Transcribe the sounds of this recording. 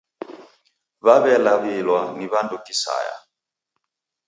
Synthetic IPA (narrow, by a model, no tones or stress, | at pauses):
βaβɛlaβilwaniβandukisa̰ja̰